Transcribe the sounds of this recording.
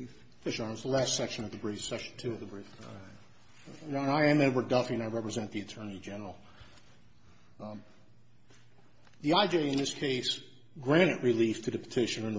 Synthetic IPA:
fɛʃɑɹzðəlæstsɛkʃɨ̃nʌvðəbɹifsɛkʃn̩tʰʉʌvðɨbɹif | ə̃naɪɨ̃mɨ̃n̚wə˞dʌfiɨ̃naɪɹɛpɹɨzɛ̃nðiɨtʰɜ̃˞nid͡ʒɛnə˞l̩ˠ | ðiaɪd͡ʒeɪɨ̃nðɪskʰeɪs | ɡɹæ̃ɾ̃ɨʔɹiliftʰɨðɨpʰə̥tʰɪʃɨ̃nɨ̃n

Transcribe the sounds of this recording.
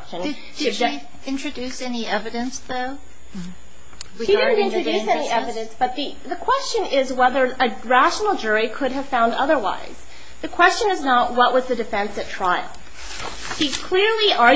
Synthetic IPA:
t͡ʃɨ̃n | ɨ | ɪ̃nt͡ʃɹ̥ɨdʉsɛniʔɛvɨɾɨ̃nsðoʊ | ʃidɪdⁿn̩ɪ̃nt͡ʃɹ̥ɨdʉsɛniɛvɨɾɨ̃nsb̥ʌt̪̚ði | ðɨkʰw̥ɛst͡ʃɨ̃nɪzwɛðə˞ɨɹæʃn̩l̩ˠd͡ʒʊɹikʰʊɾɨv̥fãʊ̃ndʌðə˞wa̰ɪz̥ | ðɨkʰw̥ɛst͡ʃɨ̃nɨznət̚wʌʔ̚wʌzðɨdɨfɛ̃nsɨtʰɹ̥aɪlˠ | ʃikʰl̥ɪɹliʔə

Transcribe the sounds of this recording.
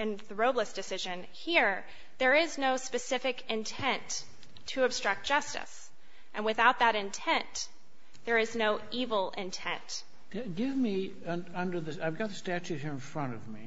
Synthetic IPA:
ɨ̃nðəɹoʊbləsd̥ɨsɪʒɨ̃n | hiɹ | ðə˞ɪznoʊspɨsɪfɨkɨ̃ntʰɛ̃ntʰ | ɨɨb̥stɹ̥ʌk̚d̥ʒ̥ʌstɨ̰s | ʔɨ̃nwɨθaʊt̪̚ðɨɾɨ̃ntʰɛ̃n | ðə˞ɨznoʊivl̩ˠɪ̃ntʰɛ̰̃nt | ɨɡɪvmi | ʌʌ̃ndə˞ðɨaɪvɡɑt̪̚ɨstæt͡ʃʉt̚hiɹɨ̃nfɹʌ̃ɾ̃ʌvmi

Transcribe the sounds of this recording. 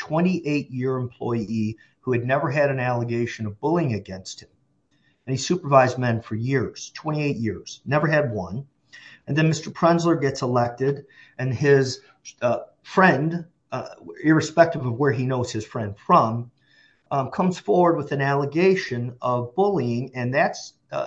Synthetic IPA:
tʰw̥ɛ̃ɾ̃iʔeɪʔ̚jɪɹɨ̃mpʰl̥ɔ̰ɪi | huɨdⁿnɛvə˞ɨɾɨ̃nælˠəɡeɪʃɨ̃nʌvbʊlˠɪ̃ŋɨɡɛ̃nst̚hɨ̃m | ɨ̃nisʉpə˞vaɪzmɛ̃nfə˞jɪɹz̥tʰw̥ɛ̃ɾ̃ieɪʔjɪɹz̥nɛvə˞ɨd̚wʌ̃n | ɨ̃nðɨ̃nmɪstə˞pʰɹ̥ɛ̃nzlə˞ɡɛtsəlɛk̚tɪɾɨ̃nɪz̥ | fɹɛ̃nd | ɪɹɨspɛk̚tɨvʌvwə˞inoʊz̥ɨz̥fɹɛ̃nd̥fɹʌ̃m | kʰʌ̃mz̥fɔɹwə˞d̚wəðɨ̃nælˠəɡeɪʃɨ̃nʌvbʊlˠiɪ̃ŋɨ̃nðæts

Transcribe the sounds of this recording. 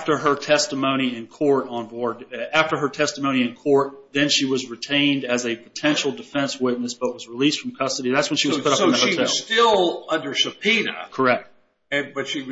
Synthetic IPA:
ftə˞ə˞tʰɛstəmõʊ̃ɾ̃iɨ̃nkʰɔɹɾn̩bɔɹd̪̚æftə˞ə˞tʰɛstəmõʊ̃ɾ̃iɨ̃nkʰɔɹt̪̚ðɨ̃nʃiwʌzɹɨtʰẽɪ̃ndɨzɨpʰətʰɛ̃nʃl̩ˠdɨfɛ̃nswɪtⁿnɨsb̥ʌt̚wʌzɹilistfɹʌ̃mkʰʌstɨɾiðætswə̃nʃiwʌz̥pʰʊɾʌəhoʊɛɪlˠstɪlˠʌ̃ndə˞ʃɨpʰinɨ̰kʰə˞ɛk̚t̚ | ɨ̃bʌtʃi

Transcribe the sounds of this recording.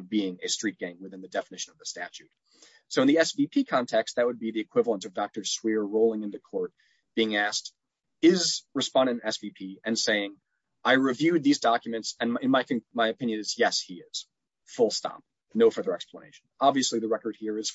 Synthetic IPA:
biɪ̃ŋɨstɹ̥it̚ɡ̥æ̃ŋwɨθɪ̃nðɨdɛfənɪʃɨ̃nʌvðəstæt͡ʃʉt̚ | soʊə̃nðiɛsvipʰikʰɑ̃ntʰɛkst̪̚ðɨt̚wəd̚biðiɨkʰw̥ɪvl̩ˠə̃ntʌvdɑk̚tə˞swɪɹɹoʊlˠɪ̃ŋɨ̃nðɨkʰɔɹt̚ | b̥iɪ̃ŋæsk̚t | ɪzɹɨspɑ̃ndɨ̃nɛsv̥ipʰiɨ̃nseɪɪ̃ŋ | ʔaɪɹɨvjʉd̪̚ðizdɑkjɨmɨ̃ntsɨ̃nɨ̃nmaɪkʰɨ̃maɪɨpʰɪ̃njɨ̃nɨzjɛshiɪz̥ | fʊlˠstɑ̰p̚ | noʊfə˞ðə˞ɛksplənḛɪʃn̩ɑbviɨsliðɨɹɛkə˞d̚hiɹɨz̥

